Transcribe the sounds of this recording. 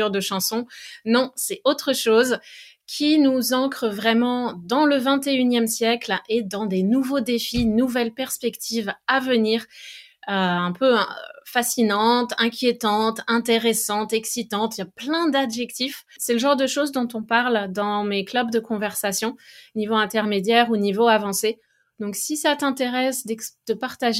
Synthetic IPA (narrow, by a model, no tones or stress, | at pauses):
yʁd̪əʃɑ̃sɔ̃nɔ̃sɛot̪χəʃoz | kʲʰinuzɑ̃kχəvʁɛmɑ̃d̪ɑ̃ləvɛ̃t̪eynjɛmsjɛkled̪ɑ̃d̪enuvod̪efinuvɛlpɛʁspɛkt̪ʰivavəniːʁ | øɛ̃pø̰fasinɑ̃t̪ɛ̃kʲjet̪ɑ̃t̪ɛ̃t̪eʁesɑ̃t̪ɛksit̪ɑ̃t̪ijaplɛ̃d̪abʒɛkt̪if | sɛləʒɑ̃ʁd̪əʃozd̪ɔ̃t̪ɔ̃paʁld̪ɑ̃meklœbd̪əkɔ̃vɛʁsasjɔ̃nivoɛ̃t̪ɛʁmed̪jɛʁunivoavɑ̃se | d̪̥ɔ̃ksisat̪ɛ̃t̪eʁɛsd̪ɛd̪̥əpaʁt̪aʒ